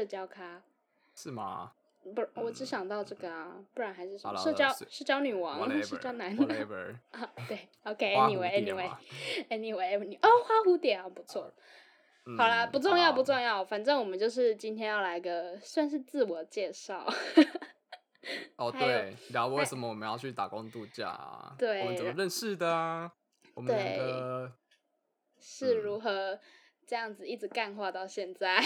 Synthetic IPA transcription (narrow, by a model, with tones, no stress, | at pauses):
ʂɤ˥˩t͡ɕjɑ˥ʊkʰa˥ | ʂɻ̩˥˩mɐ̰˩ | pu˧˩wɔ˨˩ʈ͡ʂɻ̩˧˥ɕjɑ˨˩ŋt̪ɑ˥˧ʊʈ͡ʂɤ˥˩ɡə˩ɐ˩pu˥˩ɻa˧˥nxa˧˥ɪʂɻ̩˥˩ʂə˧m˦ʂɤ˥˧t͡ɕjɑ˥ʊʂ̩˥˧t͡ɕjɑ˥ʊny˨˩wɑ˧˥ŋʂɤ˥˧t͡ɕjɑ˥ʊna˧˥n˥˩ | t̪we˥˩ɪ | o˧ke˧˩ɛ˥ni˨we˨˩ɛ˥ni˨we˨˩ɛ˥ni˨we˨˩˥ny˨˩ʔo˥˩xwa˥xu˧˥t̪jɛ˨˩n˨˩pu˧˥t͡sʰwɔ˥˩ | xɑ˨˩ʊlə˦pu˧˥ʈ͡ʂʊ˥˧ŋjɑ˥˩ʊpu˧˥ʈ͡ʂʊ˥˧ŋjɑ˥˩ʊfa˨˩nʈ͡ʂɤ˥˩ŋwɔ˨˩mə˦t͡ɕjo˥˧ʊʂ̬ɻ̩˥˩t͡ɕi˥nt̪ʰjɛ˥njɑ˥˩ʊla˧˥˧ɡə˧swa˥˧nʂ̬ɻ̩˥˧t͡sɹ̩˥˩wɔ˨˩t͡ɕjɛ˥˧ʂɑ˥˩ʊ | ɔ˥˧t̪wwe˥˩ɪjwe˥˩ɪsə˨˩˦mə˦wɔ˨˩mə̃˦njɑ˥˧ʊt͡ɕʰy˥˩t̪a̰˨˩kʊ˦˥ŋt̪u˥˧t͡ɕja̰˥˩a̰˩wt̪we˥˩ɪmə˦t͡sə˨mə˦ɻə˥˧nʂɻ̩˥˩d̪ə˩ | ɔ˨˩mətwe˥˩ɪ˨ɡə˩ | ʂɻ̩˥˩ɻu˧˥xɤ˧˦ | ʈ͡ʂɤ˥˧jɑ˥˩ŋd͡zɹ̩˩i˥˩ʈ͡ʂɻ̩˨˩˦ka˥˧nxwa˥˧t̪ɑ˥˧ʊɕjɛ˥˧nt͡sa˥˩ɪ